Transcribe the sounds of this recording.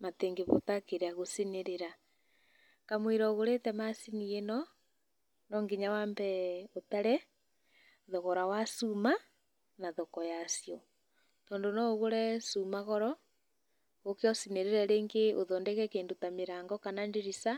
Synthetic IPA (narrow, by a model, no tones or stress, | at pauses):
mateːŋɡeβotakeɾeaɣosineɾeɾa | kamwiɾɔɣoɾetɛmasinienɔ | nɔŋɡiɲawambɛotaɾɛ | ðɔɣɔɾawasuma | naðɔkɔjasiɔ | tɔːndonɔɣoɾɛsumaɣɔɾɔ | ɣokeɔsineɾeɾɛɾeːŋɡeoðɔndeɣɛkeːndotameɾaːŋɡɔkanandeɾisa